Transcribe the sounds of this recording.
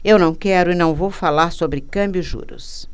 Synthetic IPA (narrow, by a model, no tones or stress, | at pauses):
ewnɐ̃w̃kɛɾʊɪnɐ̃w̃vowfalaɾsobɾɪkɐ̃mbjʊʒṵɾʊ̰s